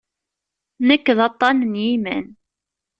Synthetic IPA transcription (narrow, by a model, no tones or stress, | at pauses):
nəkːðɑt̪ˤːɑnnjimə̰n